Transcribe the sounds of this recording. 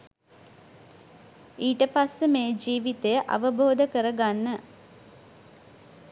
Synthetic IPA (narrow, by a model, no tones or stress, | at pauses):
iːʈəpasːəmeːd͡ʒiːʋit̪ejəʔa̰ʋəbʱoːd̪əkəɾəɡanːə